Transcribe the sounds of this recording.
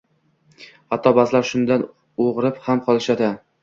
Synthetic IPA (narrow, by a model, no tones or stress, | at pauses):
hat̪ʰːɒbazlaɾʃʊnd̪an | oʁɾɪphamqʰɒlˠɪʃad̪a